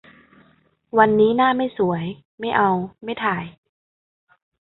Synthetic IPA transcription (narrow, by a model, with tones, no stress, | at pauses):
wa˧nːiː˦˥naː˥˩ma˥˩jsu˩˦əj | ma˥˩jʔa˧wma˥˩jt̪ʰaː˨˩j